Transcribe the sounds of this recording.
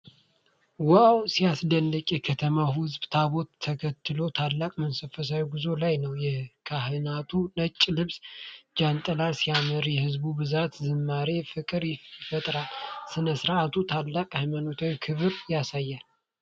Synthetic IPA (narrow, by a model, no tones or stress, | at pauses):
wawsijasd̪ənːəkʼjɛkʰət̪ʰəmahʊzbt̪ʰaβo̞t̪ʰːəkʰət̪ʰːɨlo̞t̪ʰalːakʼmənsəfəs̬awɡuzo̞lajnəwjɛkʰaɦɨnat̪ʰunət͡ʃʼːlɨβsd͡ʒant̪ʼəlalsijaməɾjɛhɨzbubɨzat̪zɨmːaɾefɨkʼɨɾjɪfət̪ʼɾalsɨnəsɨɾat̪ʰut̪ʰalːakʼajmanot̪ʰawikʰɨβɨɾjasajːal